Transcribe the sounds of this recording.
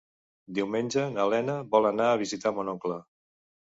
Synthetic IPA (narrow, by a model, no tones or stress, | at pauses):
d̪iwmenʲd͡ʒənəlɛnəβɔlˠənaːβ̞izit̪amonɔklə